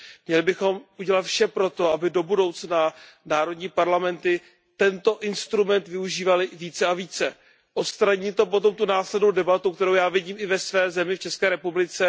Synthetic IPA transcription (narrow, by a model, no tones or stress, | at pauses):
mɲɛlɪbɪxo̞muɟɛlat̪fʃɛpɾo̞t̪o̞abɪdo̞budo̞wt͡snanaːɾodɲiːpaɾlamɛnt̪ɪ | t̪ɛnt̪o̞ʔɪnst̪ɾumɛnt̪vɪuʒiːvalɪviːt͡sɛaviːt͡sɛ | ʔot̪st̪ɾaɲit̪op̬o̞t̪o̞mt̪unaːslɛdnowdɛbat̪ukt̪ɛɾowjaːvɪɟiːmɪvɛsvɛːzɛmɪft͡ʃɛskɛːɾɛpublɪt͡sɛ